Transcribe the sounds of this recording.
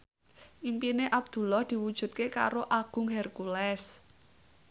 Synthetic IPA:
ʔimpineʔab̥̚d̪̥ṳlɔhd̪̥i̤wud̥ʒ̥ṳt̪̚keka̰ɾoʔaɡ̥ʊ̤ŋɦɛrkulɛs

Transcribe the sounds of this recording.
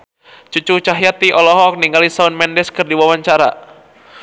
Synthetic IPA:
t͡ʃut͡ʃut͡ʃaɦijat̪iʔɔlɔɦɔk̚niŋɡalisaʊnmɛndɛskərdiwawaɲt͡ʃaɾa̰

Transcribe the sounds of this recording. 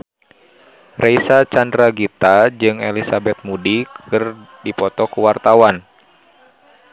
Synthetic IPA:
rʔɛisat͡ʃandɾaɡit̪ad͡ʒɨŋɛlisabɛt̪̚mudikʰɨr | dipɔt̪ɔkuwart̪awan

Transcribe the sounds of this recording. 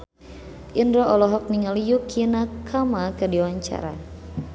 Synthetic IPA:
ʔindɾɔʔɔlɔɦɔk̚niŋalijukʰinakʰamakadiwaɲt͡ʃa̰ɾa̰

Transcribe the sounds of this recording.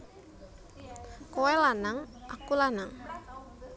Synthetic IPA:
kowɛlanaŋakulanaŋ

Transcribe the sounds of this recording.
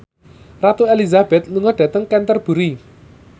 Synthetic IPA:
rat̪uelizab̥ɛt̪̚luŋɔɖ̥ä̤t̪əŋkɛnt̪ərb̥ṳɾi

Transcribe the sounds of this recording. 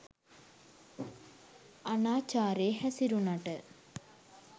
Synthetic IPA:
ɐnaːt͡ɕaːɾeːɦɐsiɾunɐʈɨ

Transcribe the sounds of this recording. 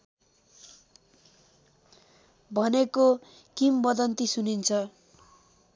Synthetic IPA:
bʱʌneko | kimbʌd̪ʌnt̪isunint͡sʰʌ

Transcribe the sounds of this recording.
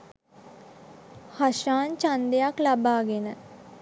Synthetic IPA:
haʃaːnt͡ʃãnd̪ejaːkləbaːɡenə

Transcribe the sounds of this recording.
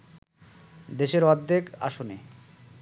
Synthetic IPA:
d̪eʃeɾɔd̪ːeka̰ʃone

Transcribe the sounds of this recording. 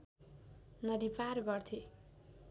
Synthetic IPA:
nʌd̪iparɡʌrt̪ʰe

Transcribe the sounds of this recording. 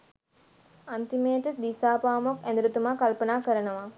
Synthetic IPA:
ant̪imejəʈəd̪iːsaːpaːmokɛnd̪uɾut̪umaːkalpənaːkəɾənəʋa

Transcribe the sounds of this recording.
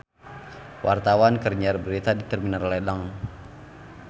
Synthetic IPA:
wʔa̰rt̪awankərɲarbəɾit̪adit̪ərminarledaŋ

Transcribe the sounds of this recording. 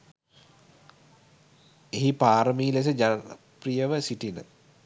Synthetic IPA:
eɦipaːɾəmiːles̬əd͡ʒaprijəʋəsiʈinə̰

